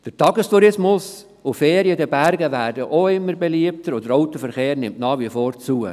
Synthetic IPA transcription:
d̥əɾtɑɡəstuɾɪsmʊs | ʊfeːɾiəd̪əbæɾɡəʋæːɾdəʔoɪmːəɾbeliəpt̪əɾod̪əɾɔʊt̪əfəɾχeːɾnɪmtnɑːχʋifoːɾt͡suə

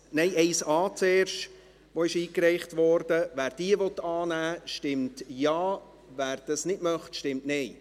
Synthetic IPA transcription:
nɛɪʔɛɪsɑːt͡sɛːrʃt | ʋoɪʃiːkɾɛɪχtʋɔɾd̥əʋæːɾd̥iəʋɔt̪ːɑːnæːʃtɪmtjɑː | væːɾd̥ɑsnɪdmœχtʃtɪmtnɛɪ

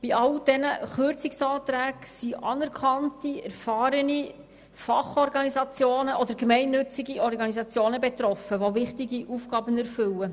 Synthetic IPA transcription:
b̥iɑld̥ɛnəχøɾt͡sɪksɑːt̪ɾæːɡsiʔɑnɛɾkʰχɑntiæɾfɑːɾəni | fɑχɔɾɡɑnizɑt͡sjoːnəʔɔd̪əɾkmɛɪnːɵt͡siɡiɔɾɡɑnizɑt͡sjoːnəbɛt̪ɾɔfəʋovɪχtiɡiʔufɡ̥ɑːbənæɾfɵlə

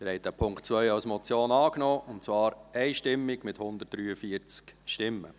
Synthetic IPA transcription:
ɪɾhɛɪtəpʰʊŋktt͡sʋœʏɑlsmɔt͡sjoːnɑːknɔːʊntt͡svɑːɾɛɪʃtɪmːɪɡmɪthʊnd̪ət̚d̥ɾyːəfiəɾt͡skʃtɪmːə̰

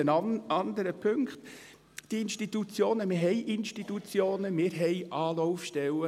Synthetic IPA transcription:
ənɑnd̪əɾəpʰøŋkχt̪ | d̥iinʃtit̪ut͡sjoːnəmɪɾɦɛjʔɪnʃtit̪ut͡sjoːnəmɪːɾɦɛjʔɑːlɔʊfʃtɛwə

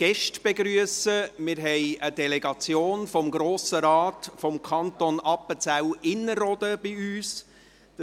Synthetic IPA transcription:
ɡ̥ɛʃtb̥eɡɾyəsəmɪɾɦɛjəd̥ɛlɛɡɑt͡sjoːnfɔmɡɾoːsəɾɑːtfɔmkʰɑntɔnɑpət͡sæwɪnːəɾɔd̥əb̥iyːs | d̥

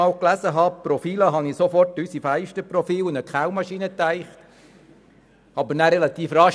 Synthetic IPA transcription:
ɑːwklæsəɦɑːpɾɔfiːləɦɑnisofɔrtysifæɪʃtəpɾɔfiːlnəkχæʊwmɑʃiːnət̪æɪχt | ɑbəɾnæɾɛlɑt̪iːfrɑʃ

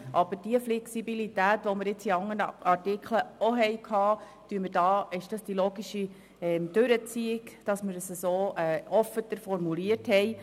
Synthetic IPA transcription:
ʔɑb̥əɾd̥iəflɛksibilit̪æːt̪ʋɔməɾɪt͡siɑŋːənəɑrtikʰləoɦɛjkʰhɑː | t̪yəməɾdɑːɪʃd̥ɑsd̥iloːɡiʃi | ɛmd̪̥ʉɾət͡siɪkd̥ɑsməɾəsəsoːɛːɔfət̪əɾfɔɾmuliəthɛj

